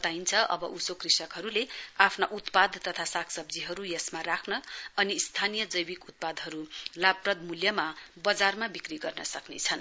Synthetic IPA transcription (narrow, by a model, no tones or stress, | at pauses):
t̪aint͡sʰʌʔʌ̰bʌ̰ʔusokrisʌkɦʌɾuleapʰnaʔut̪pad̪t̪ʌt̪ʰasakʰsʌb̚d͡ziɦʌɾujʌsmarakʰnʌʌniːst̪ʰanijʌd͡zʌjbikut̪̚pad̪ɦʌɾulabprʌd̪̚muljʌmabʌd͡zarmabikriɡʌrnʌsʌknḛt͡sʰʌn